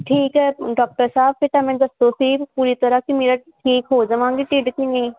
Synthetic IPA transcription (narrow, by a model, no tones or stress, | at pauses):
ʈʰiːkɦɛːɖɔːk̚ʈəɾsaːb̚pɪʈ̪amɛ̃ːd̪ɐst̪osiːpuːɾit̪ɐɾakimeːɾaʈʰiːkɦoːd͡ʒɐʋãːŋɡiʈɪɖkinɐ̃ĩː